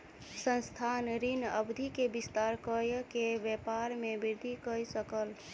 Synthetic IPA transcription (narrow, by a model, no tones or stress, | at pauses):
sə̃nst̪ʰanɾinəbd̪ʱikebist̪aɾkəjkebjɛpaɾmebiɾd̪ʱikəjsəkəl